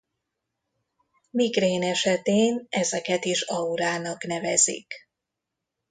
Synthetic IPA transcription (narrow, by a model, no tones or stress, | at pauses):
miɡreːnɛʃɛt̪eːnɛzɛkɛt̪iʃɒuɾaːnɒkn̪ɛvɛzḭk